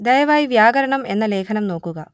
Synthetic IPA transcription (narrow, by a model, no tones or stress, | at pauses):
d̪ɐjɐʋaːjiʋjaːɡɐɾɐɳɐme̞nːɐleːkʰɐnɐmno̞ːkːuɣɐ